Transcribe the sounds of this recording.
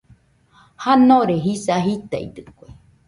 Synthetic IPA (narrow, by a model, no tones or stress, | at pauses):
hanoɾeɦisaɦit̪a̰ḭd̪ɨkʷoe